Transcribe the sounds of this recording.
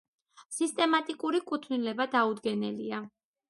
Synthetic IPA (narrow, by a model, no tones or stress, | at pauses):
sist̪ʼɛmat̪ʼikʼuɾikʼut̪ʰnilɛbad̪aud̪ɡɛnɛlia